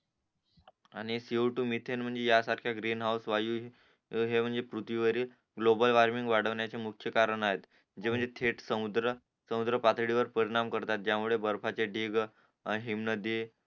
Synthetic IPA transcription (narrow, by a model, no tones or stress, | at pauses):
aɽ̃isiʈumit̪ʰenm̤əɳd͡zejasaɾkʰjaɡɾinɦawsʋajuɦ | ɦem̤əɳd͡zepɾut̪ʋiʋəɾiːl | ɡlobəlʋaɾmiŋɡʋaɽ̤əʋɳjat͡semukʰjəkaɾəɳaɦet̪ | d͡ʑem̤əɳd͡zet̪ʰeʈsəmud̪ɾə | səmud̪ɾəpat̪ʰɽiʋəɾpəɾiɽ̃amkəɾt̪at̪̚d͡ʑjamuɭebəɾfʰat͡seɖʱiɡ | ɦimnəd̪i